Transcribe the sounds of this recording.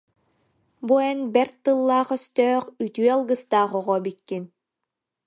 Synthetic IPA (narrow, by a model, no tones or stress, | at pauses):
bujɛnbɛɾt̪ɯlˠːaːχœst̪œːχyt̪yːalˠɡɯst̪aːχɔʁɔbikːin